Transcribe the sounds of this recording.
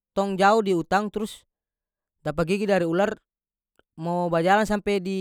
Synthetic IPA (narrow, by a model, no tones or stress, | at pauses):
t̪ɔŋd͡ʒaudiut̪aŋt̪uɾus | dap̬aɡiɡidaɾiular | mobad͡ʒalansampedi